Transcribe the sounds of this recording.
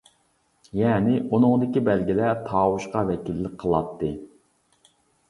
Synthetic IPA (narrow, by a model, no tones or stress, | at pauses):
jɛːnɪʔunɨŋd̪ɪkʲibælɡʲilɛt̪ʰɑːwuʃqɑvɛkʲilːɪk̚ʲqʰəlˠɑt̪ʰːɨ